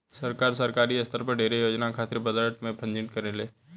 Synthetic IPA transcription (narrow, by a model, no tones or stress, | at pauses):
səɾkaːɾsəɾkaːɾiɐst̪ʰəɾpɐɾɖʱeːɾejoːd͡ʒnakʰaːt̪ɪɾbəd̪əʈmẽpʰə̃ɲd͡ʒɪnt̪̚kɐɾeleː